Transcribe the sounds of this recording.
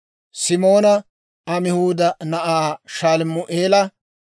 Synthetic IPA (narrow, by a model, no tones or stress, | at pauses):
sɪmo̞ːnɐ | ɐmɪhuːd̪ɐnɐʔaːʃaːlmʊʔeːlɐ